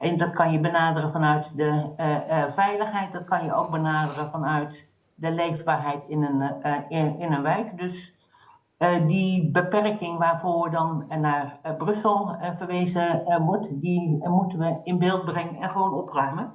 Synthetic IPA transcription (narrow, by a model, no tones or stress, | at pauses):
ʔɛndɑtkɑnjəbənaːdərənfɑnœɥtdə | vɛjləxɦɛjt̚dɑt̚kɑnjəowk̚bənaːdərəvɑnœɥt | dəlejvbaːɹɦɛjtɪnən | ɪnənʋɛjkdøs | dibəpɛrkɪŋʋaːɹvoːdɑnnaːɹbrɵsəlˠvəɹʋeːzəʋɔɹtdimutənʋəɪnbɪːlˠt̚brɛŋənɛnχəʋoːnɔprœɥmən